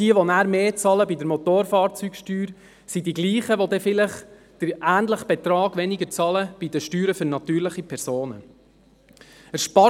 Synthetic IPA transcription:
d̥iəʋonæːɾmeːt͡sɑləbidəɾmot̪oːɾfɑːɾt͡syːɡʃtyːɾ | sidiɡliːχəʋodɛfɪlɪχ | d̥əɾʔæːntləχb̥ɛt̪ɾɑːɡʋɛnɪɡəɾt͡sɑləb̥id̥əʃtyːɾəfɵɾnɑt̪yːɾlɪχipʰɛɾsoːnə | əʃpɑ

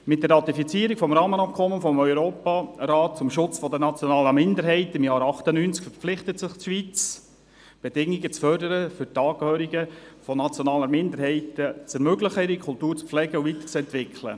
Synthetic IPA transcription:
mɪt̚dɛrɑt̪ifit͡siəɾikfɔmɾɑːmənɑp̚kʰɔmənfɔmœʏɾoːpɑɾɑːt̚t͡sʊmʃʊt͡sfɔd̪ənɑt͡sjɔnɑːləmɪndəɾɦɛɪtɪmjɑːɾɑχtənynt͡skfɛɾpp͡flɪχtətsɪχtʃʋit͡s | b̥ed̥ɪŋiɡət͡sfœrdəɾəfʏɾtɑːkhøːɾiɡəfɔnɑt͡sjɔnɑːləmɪndəɾɦɛɪtət͡sɛɾmøɡləχəiɾikʰʊlˠtuːɾt͡sflɛɡəuvit̪ə̥t͡sɛnt̪ʋɪkʰlə̰

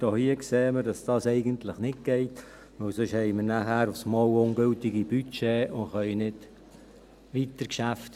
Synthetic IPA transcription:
d̥oːhiəkseːməɾdɑsd̥ɑːsɛɪɡəntlɪχnɪt̚ɡ̥ɛɪt | ʋøwsʏʃhɛɪməɾnæhæːɾʊfsmɔwʊnɡɵltɪɡib̥yt͡ʃeːʊnχœʏnɪd | ʋitəɾkʃæft

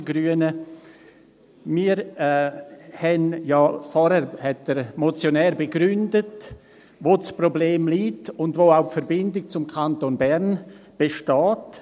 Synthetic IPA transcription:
ɡɾyənə | miːɾ | hɛnjaːfɔɾhɛɾhɛtdɛɾmot͡sjonɛːɾbeɡɾʏndət | vot͡sprobleːmliːtʊndvoːaʊpfɛɾbɪndɪk̚t͡sʊmkʰantonbɛɾnb̥eʃtɑːt

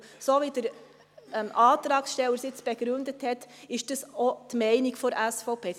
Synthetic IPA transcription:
soːʋid̥əɾ | ɛmʔɑːt̪ɾɑːksʃtɛləɾsɪt͡sb̥ɛɡɾʉnd̪əthɛtɪʃd̥əsɔt̪mɛɪnikfɔɾæsfɔʊpʰeː

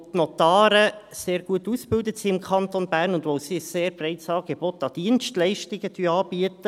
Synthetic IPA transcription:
t̪nɔt̪ɑːɾəseːɾɡ̥uətusb̥ɪldətsiɪmkʰχɑntonbæːɾnʊndʋoʊsiseːɾb̥rɛɪtsɑːɡ̥ebot̪ɑd̥iənstlɛɪʃtɪɡəd̥yːɑːb̥iət̪ə

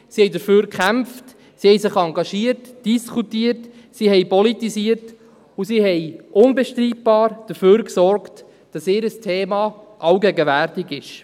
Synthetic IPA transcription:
sihɛjdəɾføːɾkχæmft | sihɛjsɪχɑŋɡɑʃiərtd̥iskʰutiərt | sihɛjpɔlitisiərt | usiɦɛjʔʊnbɛʃtɾiːt̚b̥ɑːɾd̥əɾføːɾksɔrkt | d̥ɑsɪːɾəstʰeːmɑ | ʔɑwɡɛɡəværtiɡɪʃ

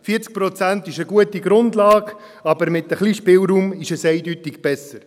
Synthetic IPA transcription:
fiəɾt͡sk̚pɾɔt͡sæntɪʃəɡuətiɡɾʊndlɑːɡ | ɑbəɾmɪtəχliʃpɪlɾuːmɪʃɛsɛɪdytɪɡ̥b̥ɛsəɾ

